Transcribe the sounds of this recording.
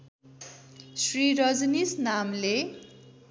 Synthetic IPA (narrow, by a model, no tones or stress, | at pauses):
sriɾʌd͡znisnamle